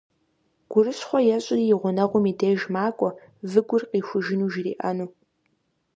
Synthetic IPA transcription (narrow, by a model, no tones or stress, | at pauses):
ɡ̥ʷʊrɨsχʷɔjɛɕʼɪriːjɪʁʷʊnɐʁʷʊmiːdeːʒmaːkʷʼɔ | vɨɡʷʊrqiːxʷʊʒɪnuːʒɪrḭːʔɐnuː